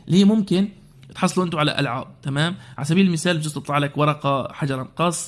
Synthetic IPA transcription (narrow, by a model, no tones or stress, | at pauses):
liːmʊmkɪn | t̪ħɑsˤːluʔɪnt̪ʊʕala̰ʔa̰lʕaːb̚t̪amaːmʕalasabiːlɪlmɪsaːlbt̪ɪst̪ɑt̪ˤɑːʕlakwɑɾˤɑqɑħad͡ʒɑɾˤɑnqɑsˤː